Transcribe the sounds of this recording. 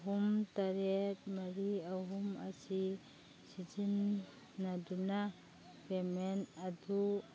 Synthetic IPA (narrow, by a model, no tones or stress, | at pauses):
ɦumt̪aɾet̚maɾiaɦuma̰si | sid͡ʒinː | aduna | pemenadu